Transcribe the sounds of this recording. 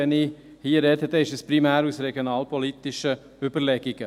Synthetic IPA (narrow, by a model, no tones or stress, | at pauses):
ɛni | hiːɾɛd̪ət̪əɪʃɛspɾimæːɾuːsɾɛɡjonɑːlpʰɔliːt̪ɪʃə | yːbəɾlɛɡ̥ɪɡ̥ə